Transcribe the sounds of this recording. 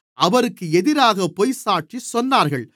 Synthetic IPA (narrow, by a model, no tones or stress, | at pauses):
ʔɐʋɐɾɯkːɯɛðɪɾaːɣɐpɔjsaːʈːisɔnːaːɾɣɐɭ